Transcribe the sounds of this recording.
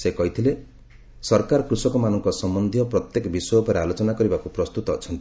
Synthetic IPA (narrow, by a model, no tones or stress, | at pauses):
sekɔɦit̪ʰile | sɔɾkaɾɔkɾusɔkɔmanɔŋkɔsɔmbɔnd̪ʱjɔpɾɔt̪jekɔbisɔjɔpɔɾealot͡ʃɔnakɔɾibakupɾɔst̪ut̪ɔːt͡ʃʰɔnt̪i